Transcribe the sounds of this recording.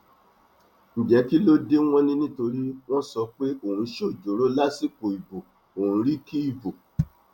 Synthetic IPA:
n̩˨d͡ʒɛ˨˦ki˦lo˦de˦w̃ɔ̃˦nĩ˦nĩ˦to˧ɾi˦w̃ɔ̃˦sɔ˧k͡pe˦o˨hũ˧ʃo˦˨d͡ʒo˨˦ɾo˦la˦si˦ko˨i˨bo˨ | o˨hũ˧˦ɾi˦ki˦i˦˨vo˨

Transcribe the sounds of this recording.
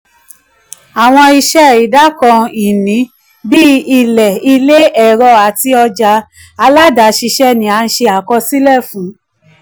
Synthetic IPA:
a˨w̃ɔ̃˧i˧ʃɛ˦i˨˦da˦kɔ̃˧i˨nĩ˨˦ | bi˦i˨lɛ˨i˧le˦ʔɛ˨ɾɔ˧˦a˨ti˧ɔ˧d͡ʒa˨˧˦ | a˧la˦da˨˦ʃi˧ʃɛ˦nĩ˨˦a˨˧n̩˧ʃe˧a˨kɔ˧si˦lɛ˦˨fũ˨˦

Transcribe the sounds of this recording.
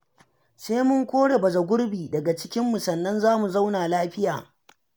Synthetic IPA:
seː˦mʊ˦ŋkʷoː˦ɽe˨bɐ˨zɐ˨ɡʷʊ˦rbiː˨dɐ˨ɡa˨t͡ʃɪ˦kʲɪ˦mːu˨sɐ˨nːɐ˦nzaː˦mu˨za˦wnaː˨laː˦ɸɪ˦jaː˨

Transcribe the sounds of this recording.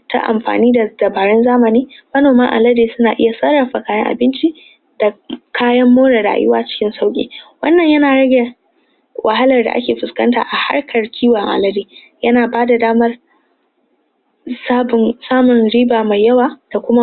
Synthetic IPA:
ta̰˦ʔa̰˨mɸa̰ː˨niː˦da˨dɐ˨baː˨ɽɛ˦nzaː˦mɐ˨niː˦mɐ˦noː˨maː˦ʔa̰˨lɐ˦deː˨sʊ˦naː˨ʔɪ˦ja˨sɐ˦ɽɐ˨ɸa˨kaː˦jɐ̰˦ŋʔa̰˨bɪ˦nt͡ʃi˦ | da˨kʰaː˦jɐ˦mːoː˦ɽa˨ɽa̰ː˨jɪ̰˦waː˦t͡ʃɪ̥˦kʲɪ˦nsa˦wkʲʼḭː˨wɐ̰˦nːɐ˨ɲjɐ˦naː˨ɽɐ˦ɡʲe˨ | wʔɐ˨ɦa˦lɐ˨rda̰˨ʔa̰˦kʲeː˨ɸʊ˨skɐ˦nta̰ː˨ʔa˨ha̰˦rkʰɐ˨rkʲʰiː˦waː˨ʔa̰˨lɐ˦deː˨ | jɐ˦naː˨baː˦da˨daː˦mɐ˦r | saː˦bʊ˨nsaː˦mʊ˨nɽiː˦baː˨ma˨jːɐ˦waː˨d̥a˨kʷʊ˦ma˦

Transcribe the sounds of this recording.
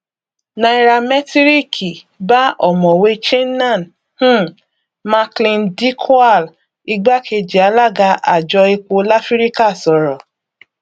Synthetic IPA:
nã˧i˧ɾa˧mɛ˦ti˦ɾi˦˨kʰi˨ | ba˦ɔ˨mɔ̃˨we˧˦t͡ʃe˦nã˦˨n | hũ˦ | ma˧klĩ˧ndi˦kʰa˦˨l | i˧ɡ͡ba˦ke˧d͡ʒi˨a˨˦la˦ɡa˧ʔa̰˨d͡ʒɔ˧e˧k͡po˧la˦fi˦ɾi˦ka˦˨sɔ˨˦ɾɔ˨

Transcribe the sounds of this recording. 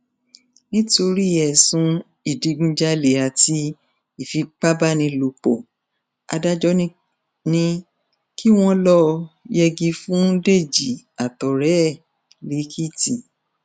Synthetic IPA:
nĩ˦to˧ɾi˦ɛ˨sũ˧˦ | i˨di˨˧ɡũ˧˦d͡ʒa˧le˨a˨ti˧ | i˦˨fi˧k͡pa˦ba˦˨nĩ˧lo˨k͡po˨ | a̰˧da˦d͡ʒɔ˦nĩ˦ | nĩ˧ | kʰi˦w̃ɔ̃˦lɔ˧˦jɛ˧ɡĩ˧fũ˦de˦˨d͡ʒi˨ | a˨tɔ˨ɾɛ˨˦˨ | li˨˦kʰi˦tĩ˨

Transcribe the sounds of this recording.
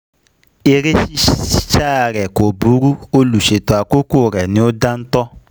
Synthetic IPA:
e˧ɾe˦ʃi˦ʃi˦ʃa˦˨ɾɛ˨ko˨bu˨˦ɾu˦o˦lu˨ʃe˨to˨a˨˧ko˦ko˦˨ɾɛ˨nĩ˦o˦da˦n̩˦tɔ˦

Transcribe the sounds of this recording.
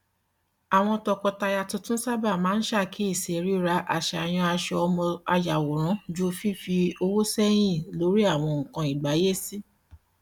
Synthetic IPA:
a˨w̃ɔ̃˧tɔ˧kɔ˧ta˧ja˧tũ˧tũ˦sa˦ba˦˨mãː˨˦n̩˦ʃa˦˨kʰe˨˦i˦˨se˨ɾi˦ɾa˧˦ʔa̰˨ʃɛ˨a˨j̃ɔ̃˧a˧ʃɛ˧ɔ˧mɔ̃˧a˧ja˨wo˨ɾ̃ɔ̃˨˦d͡ʒu˦˧fi˦fi˧o˧wo˦sɛ˦j̃ĩ˦˨lo˨˦ɾi˦a˦˨w̃ɔ̃˧ŋ̩˨kã˧i˨ɡ͡ba˨˦je˦si˦

